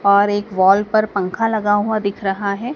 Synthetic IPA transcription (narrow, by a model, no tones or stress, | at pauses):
ɔːɾeːkʋɔːlpɐɾpɐ̃ŋkʰalɐɡaɦuad̪ɪkʰɾɐɦaɦɛː